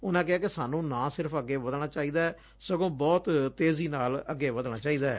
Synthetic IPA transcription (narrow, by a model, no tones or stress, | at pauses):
ʊnãːk̬ɛɦaːkɪsaːnũːnãːsɪɾəpʰəɡːeːʋəd̪ɽ̃aːt͡ʃaːiːd̪aːɛ | səɡõːbɔːt̪t̪eːziːnaːləɡːeːʋəd̪ɽ̃aːt͡ʃaːiːd̪aːɛ̰ː